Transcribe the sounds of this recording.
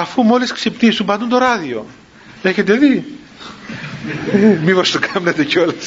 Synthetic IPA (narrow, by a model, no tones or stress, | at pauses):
ɐfumo̞lesksepnisumpɐnd̪unt̪oɾɐðio̞̰ | e̞çe̞t̪e̞ði | mipost̪okɐmnet̪e̞ceo̞les